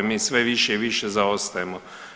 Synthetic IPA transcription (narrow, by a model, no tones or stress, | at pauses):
miːsʋeʋiʃeiʋiʃezaost̪ajemo